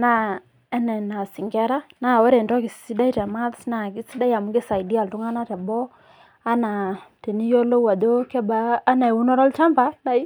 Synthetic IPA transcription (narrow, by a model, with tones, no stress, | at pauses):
na˦˨ | ɛ˦nɛ˨na˨si˨ŋɡɛ˦ɾa˦na˦˨wɔ˦ɾe˨ndɔ˦kɪ˨ssi˦da˦i˦ta˨ma˦ðsna˨ki˦si˦da˦i˦a˨mu˦ke˦sa˨i˨di˦a˨ltu˦ŋa˦na˦tɛ˨bɔ˦ | a˦na˨te˨ni˦jo˦lo˦wa˨do˦kɛ˦baː˦na˨e˨wu˦nɔ˦ɾɔ˦lt͡ʃa˦mba˦la˦i˦